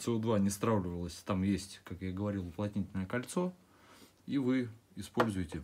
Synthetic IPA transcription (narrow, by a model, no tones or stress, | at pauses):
t̪sɨod̪vanʲɪst̪ɾavlʲɪvəlˠəsʲt̪amjesʲtʲkakjaɡəvɐɾʲilˠʊplˠɐtʲnʲitʲɪlʲnəjəkɐlʲt̪so̞ | ivɨɪspo̞lʲzʊjɪtʲɪ